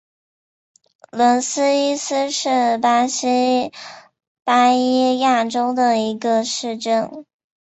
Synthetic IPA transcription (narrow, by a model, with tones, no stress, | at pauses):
lwə˧˥nsɹ̩˥i˥s̩˥ʂɻ̩˥˩pa˥ɕi˥ | pa˥i˥ja˥˩ʈ͡ʂo˥ʊd̪ə˨i˧˥ɡə˧ʂɻ̩˥˧ʈ͡ʂɤ˥˩n